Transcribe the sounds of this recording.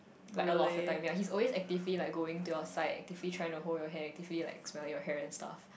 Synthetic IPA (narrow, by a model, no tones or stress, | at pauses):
laɪkəlɔtvətãɪ̃mjlaɪhizɔlwesɛk̚tɪvlilaɪk̚ɡoɪ̃ŋtuaəsaɪdɛ̰k̚tɪvlitʰɹaɪɪ̃ŋtuɦoljɔɦɛɛk̚tivlila̰ɪksmɛlɪ̃ŋjɔhɛɹɛ̃nsta̰f